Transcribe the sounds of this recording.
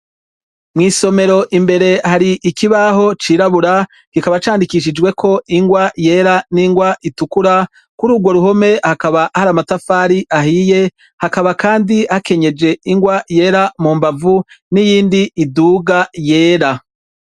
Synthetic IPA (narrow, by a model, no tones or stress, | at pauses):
mŋiːso̞me̞ɾo̞ʔimbe̞ɾe̞haɾiʔikiβaɦo̞t͡ʃiːɾaβuɾa | kikaβat͡ʃaːndikiʃ̬id͡ʒɡwe̞kʰo̞iŋɡwaje̞ːɾaniŋɡwaʔitukuɾa | kuɾuːɡwo̞ɾuho̞me̞hakaβaʔhaɾamatafaːɾiʔaɦije̞ | hakaβakaːndihake̞ɲe̞d͡ʒe̞iŋɡwaje̞ːɾamuːmbavunijiːndiːduːɡaje̞ːɾa